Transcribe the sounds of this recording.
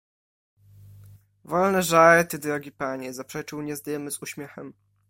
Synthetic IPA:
vɔlnɛʐaɾt̪ɘd̪ɾɔɡʲipaɲɛzapʂɛt͡ʂɘwɲɛzd̪ajɛmɘzuɕmʲjɛxɛm

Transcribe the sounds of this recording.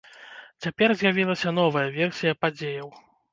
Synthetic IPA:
t͡sʲapʲɛrzʲjavʲilˠɐsʲɐnɔvɐjɐvʲɛrsʲijɐpad͡zʲejɐw

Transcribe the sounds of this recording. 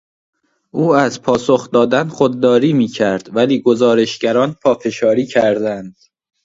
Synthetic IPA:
ʔuːæzpʰɒːsoxd̪ɒːd̪ænχod̪̚ːɒːɾiːmiːcʰæɾd̪væliːɡozɒːɾe̞ʃɟæɾɒːnpʰɒːfe̞ʃɒːɾiːcʰæɾd̪ænd̪̥

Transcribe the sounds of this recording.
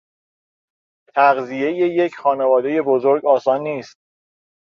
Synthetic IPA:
t̪ʰæɣzije̞jeje̞cʰxɒːnevɒːd̪e̞je̞bozo̞ɾɡɒːsɒːnːiːst̪̚

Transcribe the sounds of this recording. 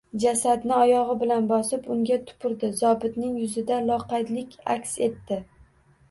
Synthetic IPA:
d͡ʒasad̪nɪɒjɒʁɨbɪlanbɒsɪpʊŋɡʲat̪ʰʊ̥pʰʊɾd̪ɪzɒbɪd̪nɪŋjʊzɪd̪alˠɒqɑjd̪lɪkʲʰa̰kʲse̞t̪ːɪ

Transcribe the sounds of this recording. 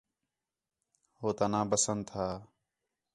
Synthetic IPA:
ɦoːt̪aːnãːbəsənt̪ʰaː

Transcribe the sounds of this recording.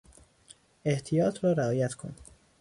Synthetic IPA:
e̞ht̪ʰijɒːt̪ʰɾɒːɾeɒːjæt̪kʰon

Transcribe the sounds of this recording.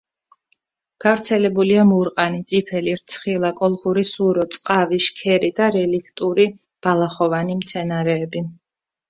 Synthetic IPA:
ɡ̥avɾt̪sʰɛlɛbuliamuɾqʼanit̪sʼipʰɛliɾt̪sʰχilˠakʼɔlˠχuɾisuɾɔt̪sʼqʼaviʃkʰɛɾid̪aɾɛlikʰt̪ʼuɾi | b̥alˠaχɔvanimt̪sʰɛnaɾɛːbi

